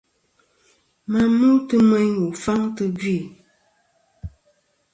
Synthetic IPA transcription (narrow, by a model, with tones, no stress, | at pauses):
ma˨mu˦tɨ˦mɛ˦ɲwu˨fa˦ŋtɨ˦ɡɥi˦˨